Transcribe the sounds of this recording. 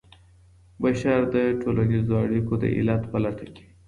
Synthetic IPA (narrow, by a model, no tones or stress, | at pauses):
baʃaɾd̪əʈʰolanizoaɽikod̪ə̰ʔɪ̰lat̪pəlat̪ake̥